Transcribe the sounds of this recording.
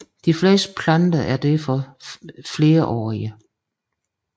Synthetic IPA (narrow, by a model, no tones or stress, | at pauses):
d̥ifle̝̰ːsd̥ə̥pʰland̥ɐʔæɐd̥efɒ | fle̝ːɐʔɒ̰ːiə